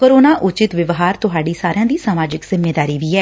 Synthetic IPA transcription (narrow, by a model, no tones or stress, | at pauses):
koːɾoːnaːʔʊt͡ʃɪt̪ʋɪʋɦaːɾt̪ʊɦaːɖiːsaːɾɪjãːd̪iːsaːmaːd͡ʒɪkzɪmːeːd̪aːɾiːʋiːɛː